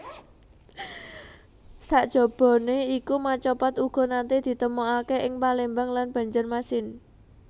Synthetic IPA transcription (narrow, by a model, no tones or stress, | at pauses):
saʔd̥ʒ̥o̤b̥ɔ̤neikumat͡ʃɔpat̪uɡ̥ɔ̤nant̪ed̪̥i̤t̪əmoakeʔɪŋpalembaŋlanb̥ä̤ɲd͡ʒʊrmasɪn